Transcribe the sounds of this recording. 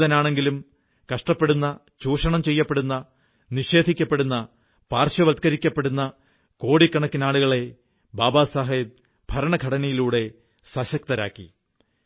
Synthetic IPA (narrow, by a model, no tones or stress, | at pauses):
ðɐnaːɳe̞ŋɡilum | kɐʂʈɐpːe̞ɽunːɐ | t͡ɕuːʂɐɳɐmt͡ɕe̞jːɐpːeɽunːɐ | niʂe̞ːd̪ʱikʲːɐpːeɽunːɐ | paːrɕɐʋɐd̪̚kɐɾikʲːɐpːe̞ɽunːɐ | ko̞ːɽikːɐɳɐkːinaːɭuɣɐɭe̞ | baːbaːsaɦɐjɐt̪̚ | bʱɐɾɐɳɐɡʱɐɽɐnɐjiluːɽe̞ | sɐɕɐk̚t̪ɐɾa̰ːkːḭ